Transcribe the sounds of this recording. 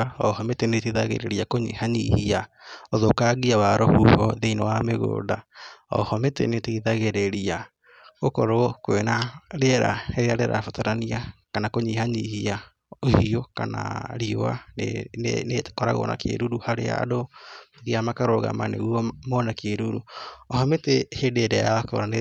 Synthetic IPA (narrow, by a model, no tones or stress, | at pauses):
ɔhɔmeteneteðaɣḛɾeɾiakoɲḭhaɲihiaoðokaɣiawaɾɔhuhɔðeinowameɣo̰ːdaɔ̰hɔmetḛneteiðaɣeɾeɾia | ɣokɔɾokwenaɾeɛɾa̰eɾeaɾeɾa̰fotaɾaniakanakoɲihaɲihia | ohiokana̰ɾioa̰nḛnekɔɾa̰ɣo̰na̰kḛɾuɾuhaɾḛa̰doðiamakaɾoɣa̰manḛuɔmonakeɾuɾuɔhɔmetehedeɾeako̰ɾane